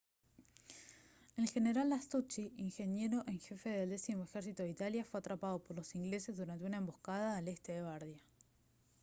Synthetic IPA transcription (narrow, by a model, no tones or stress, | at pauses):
elxe̞ne̞ɾalast̪ut͡ʃiiŋxe̞nje̞ɾo̞ʔeŋxe̞fe̞ðeld̪e̞simoexe̞ɾsit̪oðit̪aljafweat̪ɾapaðo̞poɾlo̞siŋɡlese̞zðuɾant̪e̞unae̞mbohkað̞aːle̞st̪eðeβaɾðja